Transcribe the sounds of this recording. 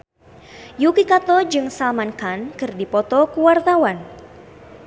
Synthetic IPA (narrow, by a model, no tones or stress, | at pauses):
jukikat̪ɔd͡ʒɨŋsalmankankɨrdipɔt̪ɔkuwart̪awan